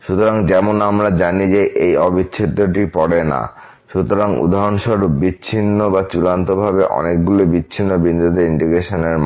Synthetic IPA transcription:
ʃut̪oɾaŋd͡ʑɛmonamɾad͡ʑanid͡ʑeʔejɔbiɕʰit̪ːoʈipɔɽena̰ | ʃut̪oɾaŋṵd̪ʱaɾonʃoɾbiɕʰinːobat͡ɕulant̪obʱabeʔɔ̰nek̚ɡulobit͡ɕːɕʰinːobind̪ʱud̪ʱiiɳɖiɡɾeʃoneɾm

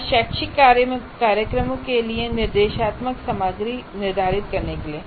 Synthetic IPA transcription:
ʃɛːkʃɪkːaːɾjəmkaːɾjəkɾəmõkelienɪɾd̪eːʃaːt̪məksɐmaːɡɾinɪɾd̪ʱaːɾɪt̪̚kɐɾnekelieː

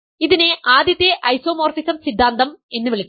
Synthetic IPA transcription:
iðineʔaːd̪jɐt̪ːjeʔɐjso̞ːmo̞ːrfisɐmsid̪ʱːaːnd̪ɐme̞nːɨʋeɭikː

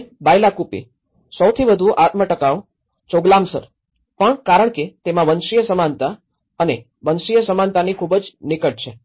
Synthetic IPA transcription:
bajlakupḭ | səwt̪ʰiʋəd̪ʱuʔat̪məʈəkaʋ | t͡ʃoɡlamsə̰ɾ | pəɳkaɾəɳ̃ket̪emãʋənʃijəsəmant̪a | əne | ʋənʃijəsəmant̪anikʰubəd͡ʒnɪkəʈ̚t͡ʃʰe

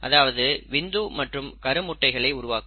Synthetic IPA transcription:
ʔɐ̰ðaːʋɐðɯʋɪnd̪uːmɐʈrɯmkɐɾɯmʊʈːɐɪɣɐɭɐɪʊɾʊʋaːkɯ

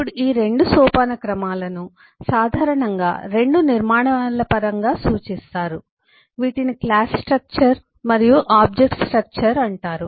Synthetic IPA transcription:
uɽiːɾe̞ɳɖusɔːpaːnɐkɾɐmaːlɐnu | saːd̪ʱaːɾɐɳɐŋɡa̰ːɾe̞ɳɖuniɾmaːɳɐlɐpɐɾɐŋɡaːsuːt͡ʃist̪aːɾu | ʋiːʈiniklaːssʈɾɐk̚t͡ʃɐɾ | mɐɾijuʔaːb̚d͡ʒek̚ʈsʈɾɐk̚t͡ʃɐɾɐɳʈaːɾu

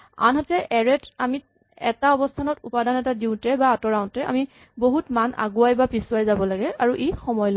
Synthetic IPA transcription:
a̰nɦɔtɛʔɛɹɛtami | ɛ̰taɔbɔstʰanɔtupadanɛtadintɛbaːtɔɹaʊ̃ntɛa̰mi | boɦutmanʔa̰ɡuajbapisuwajzabɔlaɡɛaɹuʔejxɔmɔjlɔ

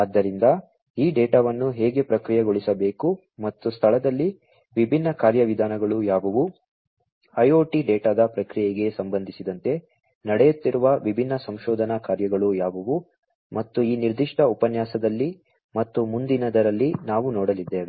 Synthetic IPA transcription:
ɐd̪ːɐɾind̪ɐ | iːɖɛːʈaːʋɐnːuɦeːɡe̞pɾɐkɾijɐɡoɭisɐbe̞ːku | mɐt̪ːust̪ʰɐɭɐd̪ɐlːi | ʋibʱinːɐkaːɾjɐʋid̪ʱaːnɐɡɐɭujaːʋɐʋu | ɐjoːʈiɖɛːʈaːd̪ɐpɾɐkɾijɛɡe̞sɐmbɐnd̪ʱisid̪ɐnt̪e̞ | nɐɽɛjut̪ːiɾuʋɐʋibʱinːɐsɐmʃɔːd̪ʱɐnɐkaːɾjɐɡɐɭujaːʋɐʋu | mɐt̪ːuiːniɾd̪iʂʈɐupɐnjaːsɐd̪ɐlːi | mɐt̪ːumund̪inɐd̪ɐɾɐlːinaːʋunɔːɽɐlid̪ːeːʋe

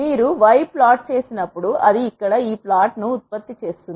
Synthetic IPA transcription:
miːɾuʋɐjpːlaːʈ̚t͡ʃe̞ːsinɐpːuɽuʔɐd̪iːkːɐɽɐiːplaːʈnuːt̪̚pɐt̪ːit͡ʃe̞ːst̪und̪i

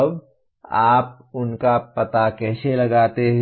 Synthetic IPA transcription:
b | aːp̚ | ʊnkapɐt̪akɛːselɐɡaːt̪eɦ

